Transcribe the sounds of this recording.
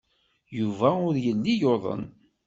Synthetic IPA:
juvæʊɾjəlːijoðˤə̰n

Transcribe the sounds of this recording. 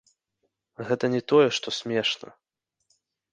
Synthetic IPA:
ɣɛt̪ɐnʲɛt̪ɔjɛʂt̪ɔsʲmʲɛʂnɐ̰

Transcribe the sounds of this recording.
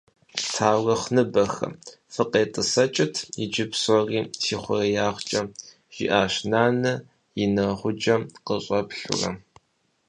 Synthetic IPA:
tʰaːwɐχnɨbɐxɐ̰ | fɨqeːtʼɨsɐt͡ʃʼɪtʰjɪd͡ʒɪpsɔriːsiːχʷɔ̰rɐjaːχʷt͡ʃʼɐ | ʒ̥ḭʔaːɕnaːnɐ | jɪnɐʁʷʊd͡ʒɐqəɕʼɐpɬʊ̰rɐ̰

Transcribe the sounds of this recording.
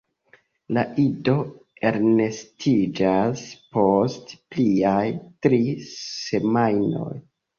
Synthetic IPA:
laʔido̞ | e̞ɾne̞stid͡ʒaspo̞stpliajtɾise̞majno̞̰j

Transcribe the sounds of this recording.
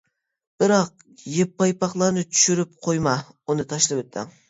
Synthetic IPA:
b̥ɪɾɑq̚ | jepːɑjpːɑχlˠɑɾnɪt͡ʃʰy̥ʃyɾyp̚qʰojmɑ | unɨt̪ʰɑʃlˠɨpøt̪ʰːɪ̰ŋ

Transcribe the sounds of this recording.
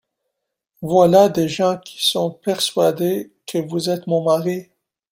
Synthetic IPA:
vwalad̪eʒɑ̃kʲʰi̥sɔ̃pɛʁsɥad̪e | kʰəvuzɛt̪mɔ̃maʁi

